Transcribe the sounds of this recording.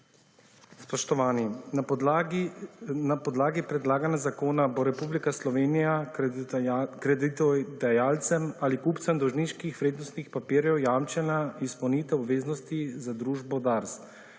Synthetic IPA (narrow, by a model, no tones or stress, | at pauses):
spɔʃt̪ɔʋaːnina | napɔd̪laːɡipɾɛd̪laːɡanjazakoːnaboɾɛpublikaslɔʋeːnija | kɾɛd̪it̪ɛd̪ajaːlt̪sɛmalikuːpt̪sɛmd̪ɔwʒniʃkixʋɾeːd̪nɔst̪nixpapiːɾjɛwjaːmt͡ʃɛnaispɐwnit̪ɛwɔbʋeːznɔst̪izad̪ɾuːʒbɔd̪aɾs